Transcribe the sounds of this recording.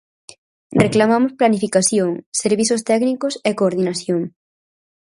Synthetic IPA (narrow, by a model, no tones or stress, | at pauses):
reklamamʊsplanifikaθjoŋseɾβiθʊst̪ɛknikosekoːɾðinaθjoŋ